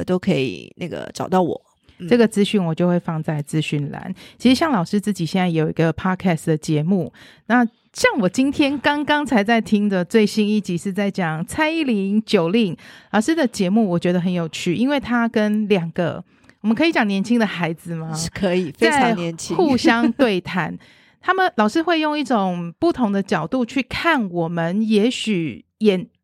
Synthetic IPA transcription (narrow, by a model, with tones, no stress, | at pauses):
t̪o˥ʊkʰə˧˥ḭ˨˩na̰˥˩ɡə̰˩ʈ͡ʂɑ˨˩ʊt̪ɑ˥˩ʊwɔ̰˨˩˦ | ʈ͡ʂɤ˥˩ɡə˩t͡sɹ̩˥ɕy˥˩nwɔ˨˩t͡ɕjo˥˧ʊxwe˥˧ɪfɑ˥˧ŋt͡sa˥˩ɪt͡sɹ̩˥ɕy˥˩nla̰˧˥˦nt͡ɕʰi˧˥ʂɻ̩˧˦ɕjɑ˥˩ŋlɑ˨˩ʊʂɻ̩˥t͡sɹ̩˥˩t͡ɕi˨˩ɕjɛ˥˧nt͡sa˥˩ɪjo˨˩ʊḭ˧˥ɡə˧pʰɑ˥kʰɛ˥˩sd̪ə˩t͡ɕjɛ˧˥mu˥˩ | na˥˨ | ɕjɑ˥˩ŋwɔ˨˩t͡ɕi˥nt̪ʰjɛ˥nkɑ˥ŋkɑ˥ŋt͡sʰa˧˥ɪt͡sa˥˩ɪt̪ʰi˥ŋd̪ə˨t͡swe˥˩ɪɕi˥ni˥˩t͡ɕi˨˥ʂɻ̩˥˧t͡sa˥˩ɪt͡ɕjɑ˨˩ŋt͡sʰa˥ɪi˥li˧˥ŋt͡ɕjo˨˩ʊli˥˩ŋlɑ˨˩ʊʂɻ̩˥d̪ə˨t͡ɕjɛ˧˥mu˥˩wɔ˨˩t͡ɕɥɛ˧˦d̪ə˧xə˧˦njo˨˩ʊt͡ɕʰy˥˩ʔi˥nwe˥˩ɪt̪ʰa˦kə˥nljɑ˨˩ŋɡ̥ə̰˦ | wɔ˨˩mə˦nkʰɤ˧˥i˧˥t͡ɕjɑ˨˩ŋnjɛ˧˥nt͡ɕʰi˦˥ŋd̪ə˨xa˧˥ɪd͡z̩˨mɐ˦kʰə˧˦i˨˩a˥˧˨nɛ˧˦nt͡ɕʰxu˥˨ɕjɑ˥ŋt̪we˥˩ɪt̪ʰa˧˥˦n | t̪ʰa˥mə˨nlɑ˨˩ʊʂɻ̩˥xwe˥˧ɪjo˥˧ŋi˥˩ʈ͡ʂo˨˩ŋpu˥˩t̪ʰo˧˥ŋd̪ə˧t͡ɕjɑ˨˩ʊt̪u˥˧t͡ɕʰy˥˩kʰa˥˩nwɔ˨˩mə˦njɛ˧˥ɕy˨˩jɛ˨˩n